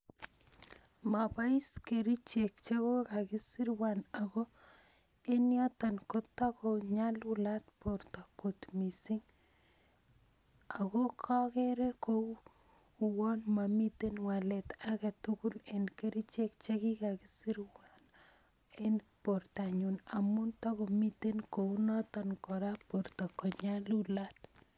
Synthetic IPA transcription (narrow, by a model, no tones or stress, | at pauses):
mapaiskeɾit͡ʃek̚t͡ʃekokakisiɾwanaɣo | enjɔtankotːakoɲalulatpoɾtakotmisiŋ | aɣokʰakeɾeko | uwɔnmamit̪enwalɛt̪akatukulenkeɾit͡ʃekt͡ʃekikakɪsiɾwan | enportaɲunamuntakomitenkonɔtɔnkɔɾapoɾtakɔɲalulat